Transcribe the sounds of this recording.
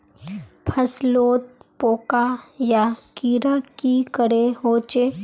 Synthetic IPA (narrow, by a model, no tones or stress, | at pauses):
pʰəsloːt̪̚poːkajakiːɾəkːikəɽeɦoːt͡ʃe